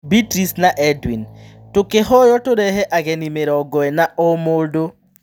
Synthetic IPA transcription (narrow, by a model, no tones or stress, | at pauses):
bitɾisnaʔɛdwin | tʊkehɔjɔtʊɾɛɦeʔaɡɛnimeɾɔɡɔɛnaʔomodo